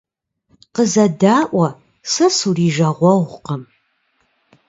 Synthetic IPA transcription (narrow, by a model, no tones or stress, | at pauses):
qəzɐdaːʔʷɐ | sɐsuriːʒɐʁʷɔʁʷqəm